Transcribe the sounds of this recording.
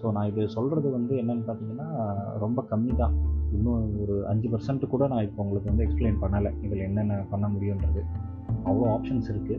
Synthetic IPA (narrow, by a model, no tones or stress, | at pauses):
soːnãːɪðɯsɔlrɐðɯʋɐnd̪ɯɛnːɐnːɐpaːɾt̪iːŋɡɐnːaːɾɔmbɐkɐmːit̪ãːɪnːõɔɾɯʔɐ̰ɲd͡ʒɯpɐɾsɐɳʈːɯkːuːɽɐnãːɪɾɯpːoʊŋɡɐɭɯkːɯʋɐnd̪ɯɛkspleːnpɐɳːɐlɐniŋɡɐɭɛnːɛnːɐpɐɳːɐmʊɽɪjʊ̃ɪndɾɐðɯ | ɐʋɐɭɐaːpʂɐnsɪɾɯkːɯ